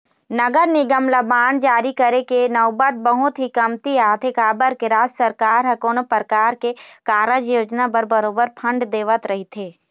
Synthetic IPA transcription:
nɐɡəɾnɪɡəmləbaːnd͡ʒaːɾikəɾekenɐʊbət̪̚bəɦʊt̪ɦikɐmt̪iaːt̪ʰekaːbəɾkeɾaːd͡ʒsəɾkaːɾɦɐkoːnəpɾkaːɾkekaːɾəd͡ʒjoːd͡ʒnabəɾbɐɾoːbəɾpʰɐ̃ɳɖd̪eːʋət̪ɾɐɦit̪ʰeː

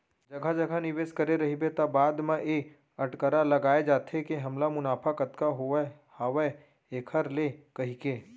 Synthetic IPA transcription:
d͡ʒɐɡʱad͡ʒɐɡʱanɪʋeːʃkɐɾeɾɐɦibet̪abaːd̪mãʔe | ɐʈkəɾalɐɡaːed͡ʒaːt̪ʰɦekeɦɐmlamʊnaːpʰakət̪kaɦoe | haːʋə | eːkʰəɾlekɐɦikeː

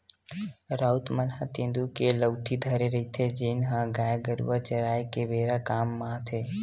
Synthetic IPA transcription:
ɾaut̪mənɦət̪ẽːnd̪ukeləwʈʰid̪ʱəɾeɾəit̪ʰed͡ʒenɦãɡaːjɡəɾṵʋat͡ʃəɾaːjkeʋeːɾakaːmːãt̪ʰe

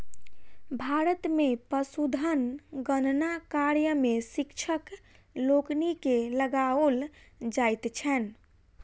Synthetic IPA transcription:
bʱaɾət̪mepəsud̪ʱənɡənnakaɾjəmesikt͡ʃʰək | loknikeləɡaold͡ʒajt̪t͡ʃʰɛn

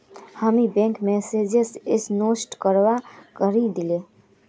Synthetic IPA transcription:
həmibẽːŋkmɛːseːd͡ʒesɪsnoːsʈkəɾwakəɾid̪ɪleː

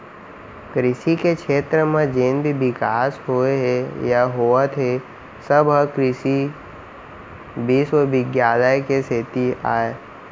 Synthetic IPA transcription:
kɾɪʃikekʃʰeːt̪ɾəmẽd͡ʒeːnbʱibɪkaːsɦoeɦejaɦoːət̪ʰe | səbʱəkɾɪsi | biswəbɪɡjaːləjkesɪt̪ia̰ːe

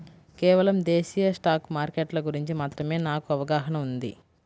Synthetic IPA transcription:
kɛːʋɐlɐmd̪eːʃijɐsʈaːkmaːɾkeʈlɐɡuɾiɲt͡ʃimaːt̪ɾɐme̞ːnaːkuɐʋɐɡaːɦɐɳɐmund̪ḭ

